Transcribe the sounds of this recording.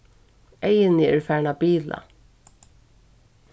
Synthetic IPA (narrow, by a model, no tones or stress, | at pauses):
ɛjɪnɪɛɹfæːɹɳapiːla̰